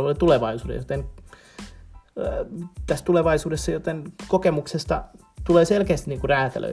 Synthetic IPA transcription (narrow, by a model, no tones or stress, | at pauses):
lolit̪uleʋɑisuːdḛjot̪en | t̪æst̪uleʋɑisuːdesːɑjot̪enkokemuksest̪ɑ̰ | t̪uleːselkeæːst̪i̥niːŋkuræːt̪æ̰lø̰